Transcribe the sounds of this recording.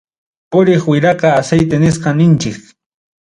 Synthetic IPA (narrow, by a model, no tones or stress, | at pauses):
pʊɾɪχwɪɾɑqɑːsejt̪enɪsqɑnɪnt͡ʃɪk